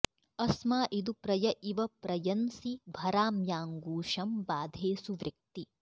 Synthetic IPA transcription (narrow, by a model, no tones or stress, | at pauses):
ɐsmaːʔid̪upɾɐjɐʔiʋɐpɾɐjɐnsibʱɐɾaːmjaːŋɡuːʃɐmbaːd̪ʱeːsuʋɾɐk̚t̪i